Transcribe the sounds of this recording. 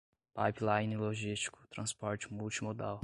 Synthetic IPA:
pajplajniloʒist͡ʃi̥kʊ̥t̪ɾɐ̃spɔɾt͡ʃɪ̥muwt͡ʃimod̪aw

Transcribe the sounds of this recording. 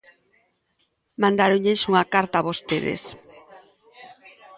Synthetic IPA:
mand̪aɾoɲensuŋakaɾt̪aβost̪eðḛs

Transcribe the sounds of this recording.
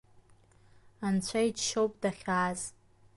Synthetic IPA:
ant͡ɕʷʰaid͡ʒʃowpʼdaχʲaːz

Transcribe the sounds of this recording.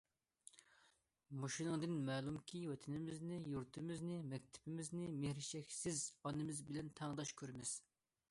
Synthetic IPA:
moʃinɨŋd̪ɪnmɛːlˠumkʲʰiwɛt̪ʰɪnɪmɪznɪjuɾt̪ʰɪmɪznɪmɛkʲt̪ʰɪ̥pɪmɪznɪmehɾɪʃɛkʲsɪzɑnɨmɪzbɪlɛnt̪ʰɑŋd̪ɑʃkʲʰøɾɪmɪz̥

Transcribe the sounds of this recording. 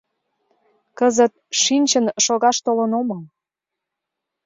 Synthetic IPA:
kəzət̪̚ʃinʲt͡ɕənʃoɣɑʃt̪olənomɤ

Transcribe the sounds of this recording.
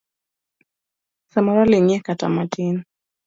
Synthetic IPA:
samɔɾaliŋɛkata̰matʰin

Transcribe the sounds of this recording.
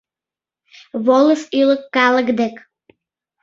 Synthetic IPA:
βolˠəʃyləkːɑlˠəkd̪ek

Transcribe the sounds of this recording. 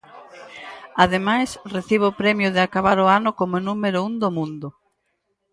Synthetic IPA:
aðemajsreθiβ̞oːpɾɛmjʊðeakaβaɾoanʊkomonumeɾʊund̪omũnd̪ʊ

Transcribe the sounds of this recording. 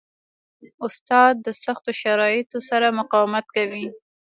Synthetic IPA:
ʊst̪ɑd̪̚ːəsaxt̪oʃaɾɑjɪt̪osaɾamʊqɑwɪmat̪̚kawi

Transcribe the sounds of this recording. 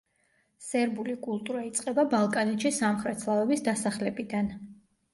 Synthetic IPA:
sɛɾbulikʼulˠt̪ʼuɾait̪sʼqʼɛbabalˠkʼanɛt̪ʃisamχɾɛt̪ʰslˠavɛbisd̪asaχlɛbid̪an

